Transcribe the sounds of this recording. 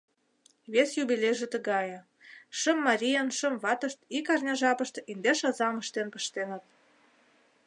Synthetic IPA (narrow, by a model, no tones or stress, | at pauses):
βesjubʲilʲejʒĕt̪ə̆ɣɑjɤ̆ | ʃəmːɑɾʲijɑnʃə̆mβɑt̪ə̆ʃt̪ikɑrnʲɑʒɑpə̆ʃt̪ʔind̪eʃɑzɑmə̆ʃt̪enpə̆ʃt̪enə̆t̪̚